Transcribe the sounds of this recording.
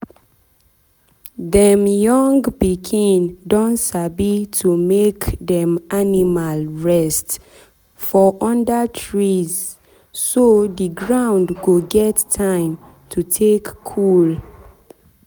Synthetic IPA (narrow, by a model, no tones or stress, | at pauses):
ðɛmjɔ̃ŋɡpikʰĩndõntsabitʰumekdɛ̃manimalɹɛst | fɔʔɔ̃ndətʰɹiz | soðiɡɹãʊ̃ndɡoɡɛtʰːãɪ̃m | tʰutʰekʰːul